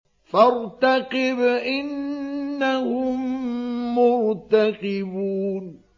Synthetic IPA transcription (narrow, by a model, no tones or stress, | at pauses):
faɾt̪aqɪbʔɪnː | ahʊmː | ʊɾt̪aqɪbuːn